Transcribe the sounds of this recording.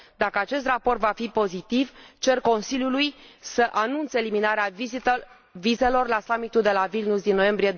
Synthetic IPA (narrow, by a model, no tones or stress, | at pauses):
d̪akəat͡ʃe̞st̪rapo̞rt̪vafipo̞zit̪ivt͡ʃe̞rko̞nsiljulujsəʔanunt̪seeliminaɾea | vize̞lo̞rlasamit̪uld̪e̞lavilnusd̪inːo̞je̞mbɾije